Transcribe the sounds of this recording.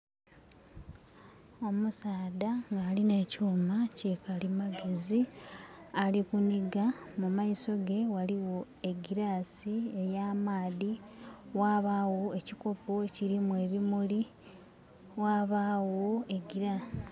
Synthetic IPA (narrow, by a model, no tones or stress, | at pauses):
o̞musaːdaŋɡaːline̞ːcoːmacekalimaɡe̞zi | alikuniɡa | mumaiso̞ɡe̞waliwo̞ | e̞ɡiɾaːsie̞jaːmaːði | waːβawo̞ecikopoeciɾimwe̞βimuli | waːβawo̞eɡiɾas